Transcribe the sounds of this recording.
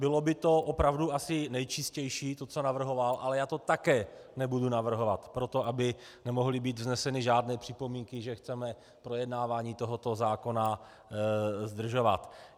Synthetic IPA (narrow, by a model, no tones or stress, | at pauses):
bɪlo̞bɪt̪o̞ʔopɾavduʔasɪnɛjt͡ʃɪscɛjʃiːt̪o̞t͡so̞navr̩ɦo̞valʔalɛjaːt̪o̞t̪akɛːnɛbudunavr̩ɦo̞vat̪pɾo̞t̪o̞abɪ | nɛmo̞ɦlɪbiːt̪vznɛsɛnɪʒaːdnɛːpr̝̥ɪpo̞miːŋkɪʒɛxt͡sɛmɛ | pɾo̞jɛdnaːvaːɲiːt̪o̞ɦot̪o̞zaːkona | zd̪r̩ʒo̞vat̪